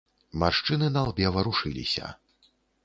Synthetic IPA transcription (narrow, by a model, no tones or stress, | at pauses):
marʂt͡ʂɨnɨnɐalˠbʲɛvɐɾuʂɨlʲḭsʲɐ̰